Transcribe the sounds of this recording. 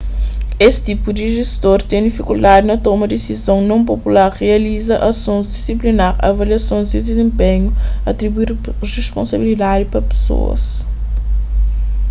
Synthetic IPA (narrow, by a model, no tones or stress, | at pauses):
est̪ipud̪iʒest̪oɾt̪ẽj̃d̪ifikulˠd̪ad̪inɐt̪ɔumɐd̪esizɐ̃w̃nɐ̃w̃p̬opulaɾʁeɐlizɐʔɐsõzd̪isiplinaɾɐ̰vɐliɐsõzd̪id̪ezẽmpẽɲuɐt̪ɾibuiɾʁespõ̰sɐbilid̪ad̪ipɾɐpe̥so̰ɐ̰s